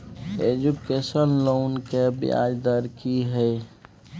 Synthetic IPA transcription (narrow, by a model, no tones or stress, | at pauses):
ed͡ʒukesənlonkebḭa̰d͡ʒd̪əɾkiɦəj